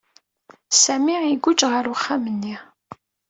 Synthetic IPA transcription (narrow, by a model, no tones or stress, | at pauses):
sæmiʕiɡʷʊd͡ʒʁəɾwəχːamənːi